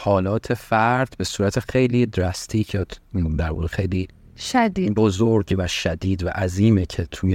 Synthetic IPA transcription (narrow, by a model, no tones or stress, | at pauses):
hɒːlɒːt̪ʰefæɾd̪̥be̞suːɾæt̪ʰexe̞jliːd̪ɾæst̪ʰiːcʰet̪ʰd̪æɾbɒ̰ːd̪exejli | ʃæd̪ibozoɾɟvæʃæd̪iːd̪væʔæziːmecʰet̪ʰuj